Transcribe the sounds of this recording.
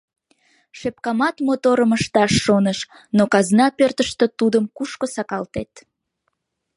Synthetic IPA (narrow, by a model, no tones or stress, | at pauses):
ʃep̚kɑmɑt̪mot̪oɾəməʃt̪ɑʃːonəʃ | nokɑznɑpørt̪əʃt̪øt̪ud̪əmkuʃkosɑkɑlt̪et̪